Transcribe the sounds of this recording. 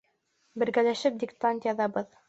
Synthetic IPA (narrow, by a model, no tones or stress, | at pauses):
bɘ̆ɾɡælæʃɘp̚d̪ʲɪkt̪ant̪jɑðɑbɤð